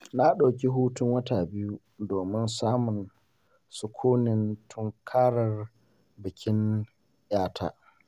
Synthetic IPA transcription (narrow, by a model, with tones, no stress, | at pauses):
na˦ɗa˨kʲi˦ɦuː˦tʊ˦ŋwɐ˦taː˨bɪ˦ju˦ | doː˨mɪ˦nsaː˦mʊ˨n | sʊ˦kʷʰuː˦nɪ˨ntʰʊ˦ŋkʰaː˦ɽɐ˨r | bɪ˨kʲɪ˦n | jaː˦tʰa̰ː˦